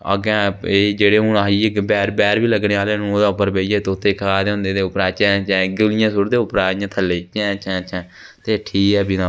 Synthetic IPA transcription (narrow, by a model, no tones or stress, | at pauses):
ə̰ɡɛ̃eːd͡ʒeːɽeːɦũnaːiːebɛːɾbɛːɾʋiːləɡnẽːaːleːnũːoːd̪aːʊpːəɾbeːijɛːt̪ːʊt̪ʰːeːkʰaːd̪eːɦʊ̃nd̪eːd̪eːʊpɾaːt͡ʃɛ̃ːt͡ʃɛ̃ːɡəlɪjãːsʊɾd̪eːʊpəɾaːɪjãːt̪ʰəlːeːt͡ʃɛ̃ːt͡ʃʰɛ̃ːt͡ʃʰɛ̃ː | t̪eːʈʰiːkɛːbinãː